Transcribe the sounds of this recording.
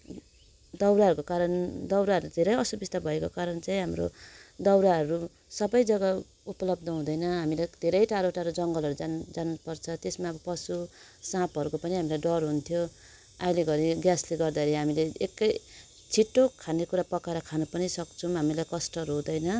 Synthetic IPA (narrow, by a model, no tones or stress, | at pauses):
d̪ʌwɾaɦʌɾukokaɾʌnd̪ʌwɾaɦʌɾud̪ʱeɾʌjʌsubist̪abʱʌekokaɾʌnt͡saĩɦamɾo̰d̪ʌwɾaɦʌɾu | sʌbʌjd͡zʌɡa | upʌlʌb̚d̪ʌɦũd̪ʌjnʌɦamilad̪ʱeɾʌjʈaɾoʈaɾod͡zʌŋɡʌlɦʌɾud͡zand͡zanupʌrt͡sʰʌt̪esmaʌbʌpʌsu | sãpɦʌɾukopʌniɦamilajɖʌrɦunt̪ʰjo | ajleɡʌɾiɡjasleɡʌrd̪aeɾiɦamileekːʌj | t͡sʰiʈːokʰanekuɾapʌkaɾʌkʰanupʌnisʌkt͡sʰuɦamilajkʌsʈʌɾod̪ʌjnʌ